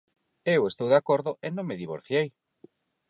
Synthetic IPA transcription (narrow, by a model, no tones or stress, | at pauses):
ewest̪owðakoɾðʊʔenõŋmeðiβo̰ɾθjej